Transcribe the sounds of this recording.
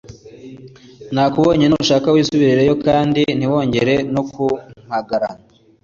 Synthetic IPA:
naːkuβo̞ːɲe̞numuʃaːkawiːsuβiɾiɾe̞jo̞kaːndin̥iwo̞ːɲɟe̞ɾe̞nokum̥haɡaɾa̰na

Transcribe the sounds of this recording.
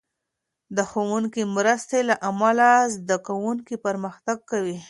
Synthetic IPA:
d̪əxowuŋkimɾəst̪elaʔamalazd̪akawuŋkipəɾməxt̪aɡ̚kawi

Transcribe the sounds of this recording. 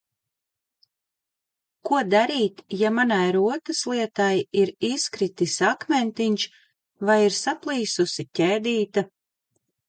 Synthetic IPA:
kuɔd̪aɾiːt̪jamanajɾuɔt̪ɨslˠiɛt̪ajiɾiskɾit̪isakmʲɛnt̪iɲʲt͡ʃ | vajiɾsaplˠiːsusicʲɛːd̪iːt̪a

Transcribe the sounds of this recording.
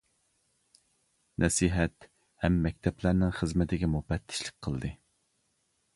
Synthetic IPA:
nʔɛsiːɦɛt̪ | hɛmːɛk̚ʲt̪ʰɛplæɾnɪŋχəzmɪt̪ʰɪɡʲɛmupɛt̪ʰːɪ̥ʃlˠɪ̥k̚ʲqʰəlˠd̪ɨ

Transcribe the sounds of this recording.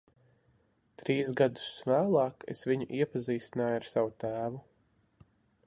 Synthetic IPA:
t̪ɾiːzɡad̪u̥svæːlˠɑːkḛsviɲṵʔiɛpaziːt̪sinaːjaɾsavut̪æːvu

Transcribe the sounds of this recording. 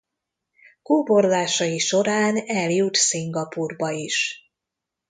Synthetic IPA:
kuːbo̞rzaːʃɒjiʃo̞ɾaːnɛljut̪siŋɡɒpurbɒiʃ

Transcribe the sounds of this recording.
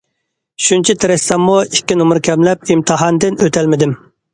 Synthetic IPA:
ʃunt͡ʃʰit̪ʰɪɾɛsɛmːuikʲːinmʊɾkʲʰɛmlɛp̚imt̪ʰɨɦɑnd̪ɪnøt̪ʰælmɪd̪ɪm

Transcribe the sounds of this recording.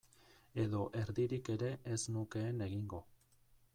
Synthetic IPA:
e̞ðo̞ʔe̞ɾðiɾike̞ɾe̞ʔesnuke̞ːne̞ɣiŋɡo̞

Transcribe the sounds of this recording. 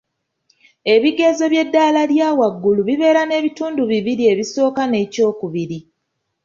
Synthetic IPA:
e̞βiɡe̞zo̞βje̞dːaːlaljaːwaɡːuluβiβe̞ːɾane̞ːβituːnduβiβiɾie̞βiso̞ːkane̞ːco̞ːkuβiɾi

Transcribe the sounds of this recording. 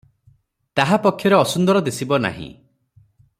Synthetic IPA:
t̪aɦapɔkʰjɔɾeɔsund̪ɔɾɔd̪esibɔna̰ɦḭ̃

